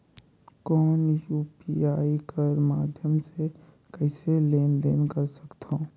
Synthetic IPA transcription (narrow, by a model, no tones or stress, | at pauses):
kɔːnjuːpiaːikəɾmaːd̪ʱjəmse | kɛɪseleːnd̪eːnkəɾsəkt̪õː